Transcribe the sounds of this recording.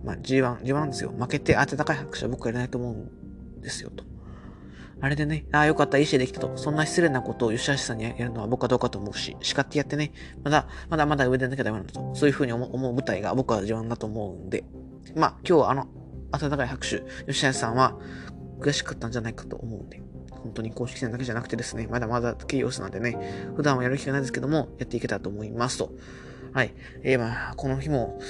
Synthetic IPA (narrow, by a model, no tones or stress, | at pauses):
ma̰d͡ʑiβãŋd͡ʑibãnd̪esɨjo̰make̞t̪e̞ʔat̪et̪akaihakɯ̟̥ɕɨa̰bo̞kɯβajaɾenait̪oːmo̞ɯ̟̃n | d̪̥e̞sɨ̥jo̰t̪o̥ | aɾe̞d̪e̞ne̞aːjo̞kat̪ːaiɕied̪e̞kʲit̪at̪o̞sõ̞nːaçʲi̥st͡sɨɾe̞nako̞t̪oːjo̞ɕiaɕi̥sãɲ̟ːiajaɾɯ̟no̞βabokɯ̟ad̪o̞ːkat̪o̞ːmo̞ɯ̟ɕḭɕi̥kat̪ːejat̪ːe̞ne | mad̪amad̪amad̪aɯ̟βe̞d̪e̞nːaked̪ajonãnat̪oso̞ːjɯ̟ɸɯ̟ːɲ̟iomo̞ɯbɯ̟t̪aiɡa̰bo̞kɯ̟βaʑibãnd̪at̪o̞ːmo̞ɯ̃nd̪e̞̰ | maːkʲo̞ːβaːno̞ | at̪at̪akaihakɯ̟̥ɕɨjo̞ɕiajasãɰ̃βakɯ̟ɾjaɕi̥kɯ̥t̪ːand͡ʑanaikḁt̪o̞̰ːmo̞ɯ̟̃nd̪e̞ | hõ̞nt̪o̞ɲ̟iko̞ːɕi̥kʲi̥send̪ake̞ʑanakɯ̟t̪e̞d̪e̞sɨne̞mad̪amad̪ḁkeijo̞̰ːsɨnã̰nd̪e̞ne̞ɸɯ̟d̪ãɰ̃ajaɾɯ̟kʲiɡanaid̪esɨ̥ked̪o̞mo̞jat̪ːe̞ike̞t̪at̪o̞ːmo̞imasɨ̥t̪o̞ | hai | emako̞noçimo̞